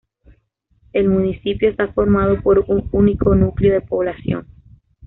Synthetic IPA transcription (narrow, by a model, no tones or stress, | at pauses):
e̞lmũnisipjo̞est̪afo̞ɾmað̞opoɾuŋuniko̞nukljoðe̞po̞βlasjo̞̰ŋ